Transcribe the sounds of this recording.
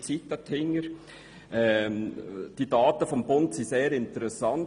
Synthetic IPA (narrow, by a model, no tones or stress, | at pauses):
t͡sitːɑt̪ʰhɪŋəɾ | ʔɛ | d̥id̥ɑːtəfɔmbʊntsiseːɾɪntəɾɛsɑn